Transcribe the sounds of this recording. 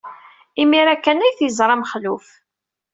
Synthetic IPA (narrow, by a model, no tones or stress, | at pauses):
imiɾækːænæjθjəzˤɾˤɑməχluf